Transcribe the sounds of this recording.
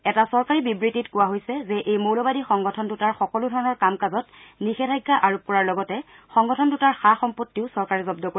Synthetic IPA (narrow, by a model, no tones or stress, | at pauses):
ɛtasɔɹkaɹibibɹititkʊwaɦojsɛzɛʔejmowlɔbadixɔŋɡɔtʰɔndutaɹxɔkɔludʱɔɹɔnɔɹkamkazɔtnixɛtʰajɡːaʔaɹup̚kɔɹaɹlɔɡɔtɛ | xɔŋɡɔtʰɔndutaɹxaxɔmpotːiʊsɔɹkaɹɛzɔbdɔko